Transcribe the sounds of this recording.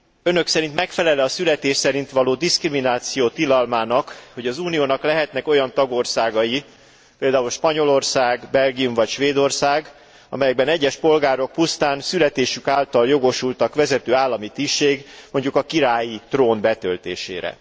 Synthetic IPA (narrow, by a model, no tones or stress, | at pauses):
ø̞nø̞ksɛɾint̪mɛkfɛlɛlɛɒsylɛt̪eːʃsɛɾint̪ʋɒloːd̪iskriminaːt̪sijoːt̪ilɒlmaːnɒkho̞ɟɒzuːnijoːnɒklɛɦɛt̪nɛko̞jɒnt̪ɒɡo̞rsaːɡɒji | peːld̪aːulʃpɒɲo̞lo̞rsaːɡbɛlɡijumvɒcʃʋeːd̪o̞rsaːɡ | ɒ̰mɛjɛɡ̚bɛnɛɟːɛʃpo̞lɡaːɾo̞k̚pust̪aːnsylɛt̪eːʃykaːlt̪ɒljo̞ɡo̞ʃult̪ɒkʋɛzɛt̪øːaːlːɒmit̪iʃeːɡmo̞ɲɟukɒkiɾaːjit̪roːnbɛt̪ølt̪eːʃḛːɾɛ̰